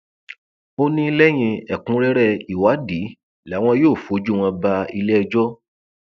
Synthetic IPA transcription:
o˦nĩ˦lɛ˦j̃ĩ˧ɛ˨kũ˨˦ɾɛ˦ɾɛ˦˨i˨wa˨˦di˨˦ | la˨˦w̃ɔ̃˧joː˦˨fo˨˦d͡ʒu˦w̃ɔ̃˧ba˧i˧lɛ˦ɛ˧d͡ʒɔ˦

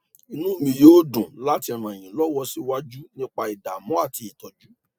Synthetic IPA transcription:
i˧nũ˦˨mĩ˧joː˦dũ˨la˦ti˧˨ɾ̃ã˨j̃ĩ˨lɔ˦wɔ˦si˦wa˦d͡ʒu˦nĩ˦k͡pa˧i˨da˨mɔ̃˨˦a˦˨ti˧i˨tɔ˨d͡ʒu˦

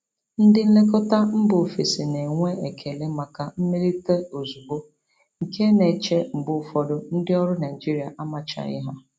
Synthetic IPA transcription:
n̩˦dɪ˦n̩˦le˦kɔ˦ta˦m̩˦bʊ˨fi˨si˨ne˨ŋʷe˦e˨kʰe˨le˦ma˨ka˨m̩˦me˦ɾi˦te˦o˨zu˨bo˦ | ŋ̩˨ke˦ne˨t͡ʃe˦m̩˨bʊ˦fɔ˨dʊ˦n̩˦dɪ˦ɔ˦ɾʊ˦na˨ɪ˨d͡ʒi˦ɾi˨a˨ʔa˦ma˨t͡ʃa̰˨ɪ̰˦ɦa˦

